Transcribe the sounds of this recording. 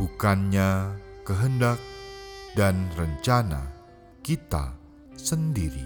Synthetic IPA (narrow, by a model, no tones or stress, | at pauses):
ukanɲakəɦəndak̚danrəɲt͡ʃana̰ | kit̪a̰ | səndiɾḭ